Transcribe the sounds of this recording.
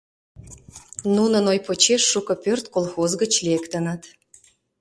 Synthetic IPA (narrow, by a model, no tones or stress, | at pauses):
nunənojpot͡ɕeʃːukɤ̆pørt̪kolˠxozɡət͡ɕlekt̪ə̆nə̆t̪